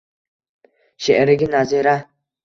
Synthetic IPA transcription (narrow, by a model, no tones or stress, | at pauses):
ʃeʔɾɪɡinaziɾa